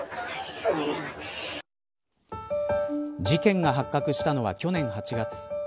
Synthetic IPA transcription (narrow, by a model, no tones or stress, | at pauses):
d͡ʑikẽ̞ŋɡaɦakːakɯ̟ɕi̥t̪ano̞βa̰kʲo̞nẽ̞ɰ̃hat͡ɕiɡat͡sɨ̥